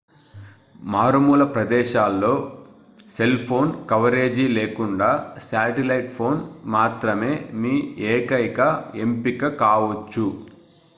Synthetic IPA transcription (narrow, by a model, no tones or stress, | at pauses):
maːɾumuːlɐpɾɐd̪ɛːʃaːlːo̞ː | se̞lpʰo̞ːnkɐʋɐɾe̞ːd͡ʒiːleːkuɳɖaːsaːʈelɐjʈpʰo̞ːnmaːt̪ɾɐme̞ːmiːeːkɐjkɐempikɐkaːʋɐt͡ʃːu